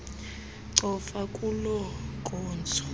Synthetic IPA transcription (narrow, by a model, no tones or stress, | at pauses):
ǀɔfakʼulɔɡʱɔːnd͡zʱɔ